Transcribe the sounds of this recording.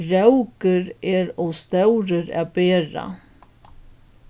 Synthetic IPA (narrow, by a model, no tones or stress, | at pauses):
ɾawkəɾɛɾɔst̪œwɾəɾa̰beːɾa̰